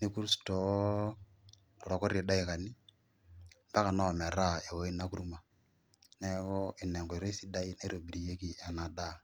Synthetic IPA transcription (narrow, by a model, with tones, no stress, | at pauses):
ni˦ku˦ɾi˦stɔ˨ | ɾɔ˨kɔ˦ɾe˨da˦ɪ˨ka˨nɪ˦ | mba˦ka˨nɔ˦˨mɛ˨ɾa˦e˨wɔ˨˦ɪ˦na˦ku˦ɾu˦ma˨ | nɛ˦ɣɔ˦ɪ˨nɛ˨ŋɡɔ˨ɾe˦si˦da˦i˦ne˦ɾo˨bi˨ɾi˨je˦ki˨a˨na˨da˦˨